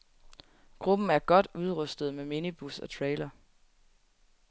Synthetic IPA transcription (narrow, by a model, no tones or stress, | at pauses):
ɡ̥ʁub̥n̩æɐɡ̥ɒ̽d̥uð̞ˠʁœsd̥ð̞̩ˠmeminib̥usɒ̽t͡sʰʁeːlɐ